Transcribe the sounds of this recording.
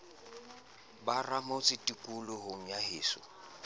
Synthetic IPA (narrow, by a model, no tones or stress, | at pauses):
baramʊt͡sʼɪtʼikʼulʊɦʊŋ̩jaɦɪːsʊ̰